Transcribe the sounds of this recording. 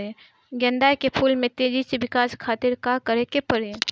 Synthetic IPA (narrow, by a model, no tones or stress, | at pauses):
e | ɡɛ̃nd̪aːkepʰuːlmẽt̪eːd͡ʒiseʋɪkaːskʰaːt̪ɪɾkakəɾekepəɾe